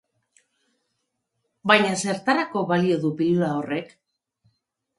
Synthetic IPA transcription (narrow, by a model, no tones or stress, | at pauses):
bajɲase̞ɾt̪aɾako̞βalio̞ðupiluao̞re̞k